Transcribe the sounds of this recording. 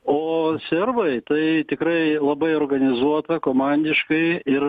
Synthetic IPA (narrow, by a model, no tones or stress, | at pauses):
oːsʲɛrbɐɪt̪ɐɪt̪ʲɪkɾɐɪlˠɐbɐɪoːrɡɐnʲɪzuɔt̪ɐkoːmɑnʲd̪ʲɪʃkɐɪɪr